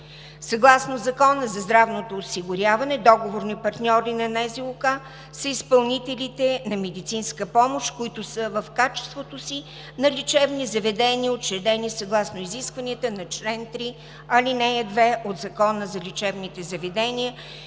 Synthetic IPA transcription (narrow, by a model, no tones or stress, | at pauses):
sɐɡlˠasnozɐkɔnəzɐzd̪ɾavnot̪oːsiɡʊɾʲjavɐnɛd̪ɔɡovoɾnipɐɾt̪nʲɔɾinɐnɛzilˠʊka | səispɐlˠnit̪ɛlʲit̪ɛnɐmɛd̪it̪sinskəpɔmoʃkʊit̪ʊsəvɐfkat͡ʃɛ̥st̪vot̪osi | nɐlʲit͡ʃɛvnizɐvɛd̪ɛnʲiəotʃɛd̪ɛnisɐɡlˠasnoiziskvɐniət̪ənɐt͡ʃlɛnt̪ɾi | ɐlinɛjəd̪vɛʔod̪zɐkɔnəzɐlʲit͡ʃɛvnit̪ɛzɐvɛd̪ɛniə